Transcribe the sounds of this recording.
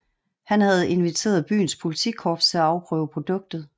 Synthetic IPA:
hænhæð̞̩ˠe̝nʋit͡sʰe̝̰ːɐðˠb̥y̰ːnspʰo̝lit͡sʰikʰɒ̰ːb̥t͡sʰe̝æɑ̈ʊpʰʁœ̰ʊəpʰʁo̝d̥ɔ̽ɡ̥̚d̥ð̞̩ˠ

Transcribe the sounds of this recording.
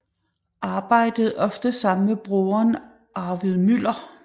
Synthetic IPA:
ʔɑ̈ːb̥ɑ̈ɪ̰d̥əð̞̩ˠʔɒ̽fd̥əsɑ̈m̰̩meb̥ʁoːɐn | ʔɑːʋiðˠmyl̰ɐ

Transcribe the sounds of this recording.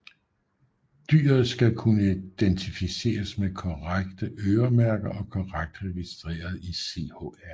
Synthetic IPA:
d̥y̰ːɐð̞̩ˠsɡ̥ækʰunəid̥ent͡sʰifise̝̰ːɐsmekʰɒ̽ʁaɡ̥d̥əʔøːɐmæɐɡ̥ɐʔɒ̽kʰɒʁaɡ̥̚d̥ʁɛɡ̥isd̥ʁḛːɐð̞ˠise̝̰ho̰æɐ

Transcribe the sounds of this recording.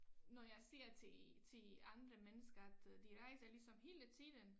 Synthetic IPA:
nɒjɑ̈ɪse̝ɐ̰t͡sʰet͡sʰe̝ɑ̈nd̥ʁɐmenəsɡ̥ɐæd̥d̥iʁaɪɡsɐlisɒ̽mɦe̝̰ːlət͡sʰiːðˠən

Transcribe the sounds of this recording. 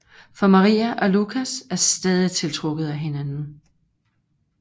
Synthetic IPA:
fɒ̽mɑ̈ʁiːæʔɒ̽lukʰæsæɐsd̥ɛːð̞ˠit͡sʰe̝lt͡sʰʁɔ̽ɡ̥ð̞̩ˠæɦe̝nænn̩

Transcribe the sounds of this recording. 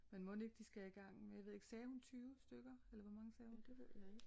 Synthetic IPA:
menmɔ̽ne̝ɡ̥̚d̥isɡ̥æiɡ̥ɑ̈ŋ̰mejɑ̈ʋeð̰ˠe̝ɡ̥sɛːhunt͡sʰyːʊsd̥øɡ̥ɐelɐʋɒmɑ̈ŋəsɛːhun

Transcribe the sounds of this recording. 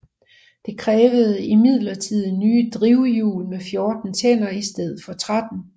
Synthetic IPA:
d̥e̝kʰʁɛːʋəð̞̩ˠimið̰ˠlɐt͡sʰið̰ˠenːyːd̥ʁiʊjṵːlmefjɔ̝ːd̥n̩t͡sʰen̰ɐisd̥eð̰̩ˠfɒ̽t͡sʰʁad̥n̩

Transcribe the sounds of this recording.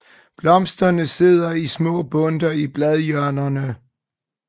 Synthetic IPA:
b̥lɒ̽msd̥ɐnəse̝ð̞̰ˠɐismɔ̰̽ːb̥ɔ̽nd̥ɐib̥lɛð̞ˠjœɐnɐnə

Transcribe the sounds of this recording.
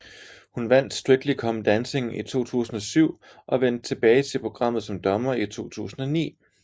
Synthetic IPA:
hunʋæn̰d̥sd̥ʁœɡ̥̚d̥likʰɒ̽md̥ænse̝ŋn̩it͡sʰo̝̰ːt͡sʰṵːsn̩ɒ̽syʊ̰ | ʔɒ̽ʋen̰d̥̚t͡sʰe̝b̥ɛːɪt͡sʰe̝lpʰo̝ɡ̥ʁɑ̈m̰ð̩ˠsɒ̽md̥ɒ̽mɐit͡sʰo̝̰ːt͡sʰṵːsn̩ɒ̽nḭː

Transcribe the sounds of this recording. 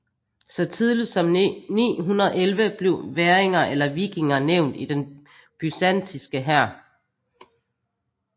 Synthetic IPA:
sɒ̽t͡sʰið̞ˠlid̥sɒ̽mnḭːɦunɐð̩ˠelʋəb̥le̝ʊ̰ʋæɐeŋɐʔelɐʋiɡ̥e̝ŋɐneʊ̰nd̥id̥en | b̥ysæn̰d̥ʰisɡ̥əɦæɐ̰

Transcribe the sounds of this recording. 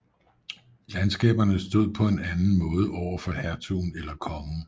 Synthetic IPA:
lænsɡ̥ɛ̰ːb̥ɐnəsd̥o̝ð̞̰ˠpʰɒ̽e̝nænn̩mɔ̽ːð̞ˠəʔɒʊ̰ɐfɒ̽hæɐt͡sʰunelɐkʰɒ̽ŋə

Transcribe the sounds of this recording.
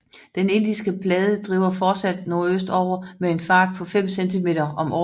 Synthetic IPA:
d̥ene̝n̰d̥isɡ̥əbʰlɛːð̞ˠəd̥ʁḭːʊɐfɒːd̥sæd̥̚no̝ɐøsd̥ɒʊ̰ɐmee̝nfɑ̈ːd̥̚pʰɒ̽fem̰sent͡sʰime̝̰ːɾ̥ɐʔɒ̽mʔɒ̰

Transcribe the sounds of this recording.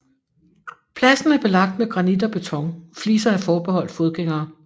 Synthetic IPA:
pʰlæsn̩æɐb̥e̝lɑ̈ɡ̥d̥meɡ̥ʁɑ̈nid̥ɒ̽b̥e̝t͡sʰɒ̽ŋfliːsɐæfɒːb̥e̝hɒ̽l̰d̥fo̝ðˠɡ̥eŋ̰ɐː

